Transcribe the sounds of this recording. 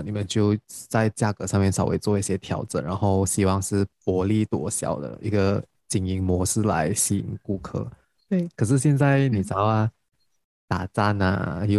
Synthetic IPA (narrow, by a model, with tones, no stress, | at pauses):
ni˨˩mə˦nt͡ɕjo˥˧ʊt͡sa˥˧ɪt͡ɕja˥˧kɤ˧˥˦ʂɑ˥˧ŋmjɛ˥˩nʂɑ˨˩ʊwe˧˥ɪt͡swɔ˥˧i˥˩ɕjɛ˥t̪ʰjɑ˨˧˥ʊʈ͡ʂə̰˨˦nɻa˧˥nxo˥˧ʊɕi˨˩wɑ˥˧ŋʂɻ̩˥˩pwɔ˧˥li˥˩t̪wɔ˧˥ɕjɑ̰˨˩ʊd̪ə̰˦ʔi˧˥ɡə˧ | t͡ɕi˨˩ŋi˧˥ŋmwɔ˧˥ʂɹ̩˥˩la̰˧˥ɪɕi˥˩ḭ˨˩ŋku˥˧kʰɤ̰˥˩ | kʰɤ˨˩ʂ̬ɻ̩˥˧ɕjɛ˥˧nt͡sa˥˩ɪni˨˩t͡sɑ˧˥ʊɐ˧ | t̪a̰˨˩t͡sa˥˩nə̰˨˩i˥˧